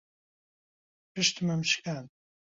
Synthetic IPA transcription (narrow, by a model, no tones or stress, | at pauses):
pɨʃt̪mɐmt͡ʃkʰaːn